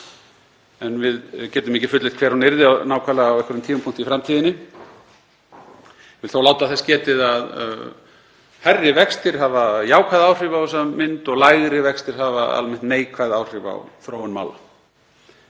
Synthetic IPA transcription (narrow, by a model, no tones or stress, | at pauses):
ɛnvɪðcɛːt̪ʏmicɪfʏt̪lɪt̪kʰvɛːɾ̥hunɪɾðɪanaːwkʰalaawɛhkʏɾʏmt̪ʰiːmampʰuŋ̥t̪ifɾamt̪ʰiːðɪnːɪ | vɪlθawlaːwt̪aθɛscɛːt̪ɪðað̰ | harːɪvɛkst̪ɪɾ̥ɦavajaːwkʰaðaːwr̥ɪvawsamɪnt̪ɔɣlajɣɾɪvɛkst̪ɪɾ̥ɦavaa̰lmɪn̥t̪neːjkʰvaðawr̥ɪva̰wθɾoːwʏnma̰ːwla̰